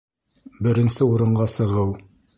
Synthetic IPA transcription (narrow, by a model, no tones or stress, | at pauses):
bɘ̆ɾɘ̆nsɘuɾɤ̆ɴɢɑsɤ̆ʁɤw